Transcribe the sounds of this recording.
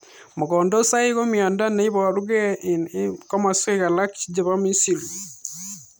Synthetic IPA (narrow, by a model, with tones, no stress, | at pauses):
mo˨ɣɔ˨ndo˦sa˦i˦ɣo˦mjɔ˨nda˦ne˦i˦βɔ˨ɾu˦ɣɛ˦ | kɔ˦ma˨se˦ɣa˨la˦kt͡ʃd͡ʒe˨βa˦mi˦si˨li˨